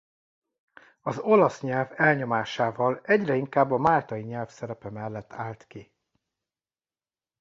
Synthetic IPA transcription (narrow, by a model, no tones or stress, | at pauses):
ɒzo̞lɒsɲɛlvɛlɲo̞maːʃaːvɒlɛɟrɛiŋkaːbːɒmaːlt̪ɒjiɲɛlfsɛɾɛpɛmɛlːɛt̪ːaːlt̪ki